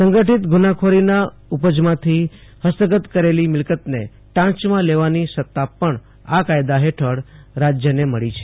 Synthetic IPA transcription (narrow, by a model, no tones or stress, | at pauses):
səŋɡəʈit̪ɡunakʰoɾina | upəd͡ʒmãt̪ʰi | həst̪əɡət̪kəɾelimɪlkət̪nḛ | ʈãt͡ʃmãleʋanisət̪ːapəɳ | akajd̪aɦeʈʰəɽɾad͡ʒjəneməɭit͡ʃʰe̥